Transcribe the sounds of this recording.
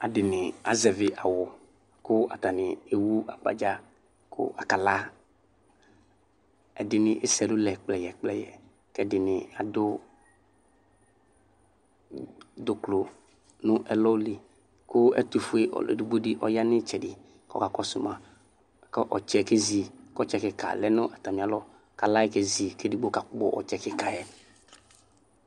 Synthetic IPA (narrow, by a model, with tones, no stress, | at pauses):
a˨dɪ˨nɪ˨a̰˨zɛ˨vɪ˨ʔa˨wʊ˨ | kʊ˦a̰˨ta˨nɪ˨e˨wu˦a̰˨k͡pa̰˨d͡ʒa˦ | kʰʊ̰˦a˨ka˨la˦ | ɛ˨dɪ˨nɪ˨ʔɪ˦sɛ˨lʊ˦lɛ˨k͡plɛ˨jɛ˨k͡plɛ˨jɛ̰˨ | kɛ˦dɪ˨nɪ˨a˨dʊ˦ | dʊ˨klo˨ | nʊ̃˦ʔɛ˨lɔ˦li˨ | kʊ˦ɛ̰˦tu˨fʊ˦ḛ˦˨ḛ˨du˨ɡ͡bo˦dɪ˦ʔɔ̰˨ja˦nɪ˦t͡ʃɛ˨dɪ˨ | kɔ̰˦˨ka˨kɔ˦sʊ˨mã˨ | kɔ˦ʔɔ̰˨t͡ʃɛ˨ke˦zi˨kɔ˦t͡ʃɛ˨kɪ˨ka̰˨lɛ˦nʊ̃˦ʔɛ˨ta˨mɪ̃˨a˨lɔ˦ | ka˨la˦ɪ˦ke˨zi˨ke˦di˦ɡ͡bo˦ka˨k͡pbʊ̰˨ʔɔ̰˨t͡ʃɛ˨kɪ˦ka˨jɛ˨